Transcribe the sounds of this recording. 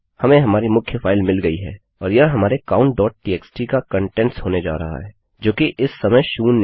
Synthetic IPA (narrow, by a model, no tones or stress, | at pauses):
hɐmẽɦɐmaːɾimʊkʰjəfaːɪlmɪlɡɐiɦɛ̰ː | ɔːɾjɐɦɦɐmaːɾekaːʊ̃ɳʈ̚ɖɔːʈ̚ʈiːɛːksʈikakɐ̃ɳʈɛ̃ɳʈsɦoːned͡ʒa̰ːɾɐɦa̰ɦɛː | d͡ʒoːkeʔɪsːɐməjʃuːnː